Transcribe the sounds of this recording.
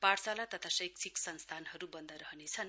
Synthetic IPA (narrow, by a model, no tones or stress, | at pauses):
paɽt͡salat̪ʌt̪ʰasʌjkt͡sʰiksʌnst̪ʰanɦʌɾubʌnd̪ʱʌɾʌɦnet͡sʰʌn